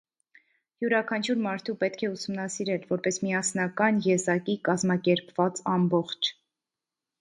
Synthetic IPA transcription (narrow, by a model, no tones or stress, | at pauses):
juɾɑkʰɑnt͡ʃʰuɾmɑɾt̪ʰupɛt̪kʰɛusumnɑsiɾɛlvɔɾpɛsmiɑsnɑkɑnjɛzɑkikɑzmɑkɛɾpvɑt͡sɑmbɔχt͡ʃʰ